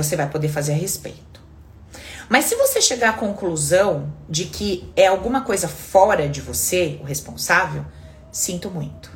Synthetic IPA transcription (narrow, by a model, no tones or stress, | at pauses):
osevajpod̪efazeɾɦespḛjt̪ʊ̥ | mɐsːɪvoseʃeɡaakõkluzɐ̃w̃d͡ʒɪkʰɪɛawɡũmɐkojzɐfɔɾɐd͡ʒɪvoseʊɦespõsavew | sĩnt̪ʊmũj̃t̪ʊ̥